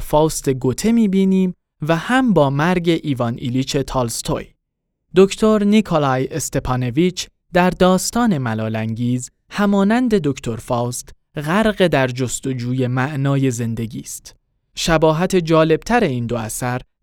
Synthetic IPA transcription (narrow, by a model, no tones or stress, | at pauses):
fɒːst̪e̞ɡot̪ʰe̞miːbiːniːm | væhæmbɒːmæɾɟe̞ʔiːvɒnʔḭliːt͡ʃʰe̞t̪ʰɒːlst̪ʰo̰j | d̪o̞ct̪ʰo̞ɾnikʰolɒjest̪e̞pʰɑno̞vit͡ʃ | d̪æɾd̪ɒːst̪ɒːne̞mælɒːlæŋɡiːz | hæmɒːnænd̪e̞d̪o̞ct̪ʰo̞ɾfɒːst̪ | ɣæɾɣe̞d̪æɾd͡ʒost̪o̞d͡ʒuːje̞mæʔnɒːje̞ze̞nd̪e̞ɡiːst̪ | ʃæbɒːɦæt̪ʰe̞d͡ʒɒːle̞b̥̚t̪ʰæɾe̞iːnd̪oæ̰sæɾ